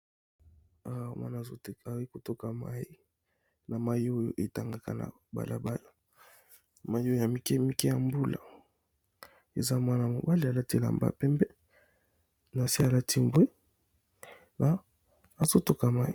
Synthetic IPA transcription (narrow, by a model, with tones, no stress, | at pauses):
a˦˨mwʔa̰˦na˨zo˦ta˨˦i˦ko˨to˦ka˨ma̰˦i˦ | na˨ma˦ji˦o˦jo̰˦ʔe˨ta˨ŋɡa˨ka̰˨na̰˨ | ba̰˨la̰˨ba˦la˨ | ma˦ji˦o˦jo˦ja˨mi˦kɛ˦mi˦kɛ˦ja˨mbu˦la̰˨ | e˨za˦mwa˦na˨mo˨ba˦li˨a˨la˦ti˦e˨a̰˨mba̰˨pɛ˦mbɛ˦ | na˨si˦a˨la˦tʰi˦mbwe˦ | naː˨ | zo˦to˦ka˨ma˦i˦